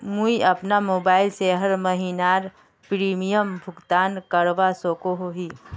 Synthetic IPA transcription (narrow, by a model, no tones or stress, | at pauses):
mũiɐpnamoːbaːɪlseɦəɾməɦinaːɾ | pɾiːmijəmbʱʊɡt̪aːnkəɾʋasoːkoɦoɦiː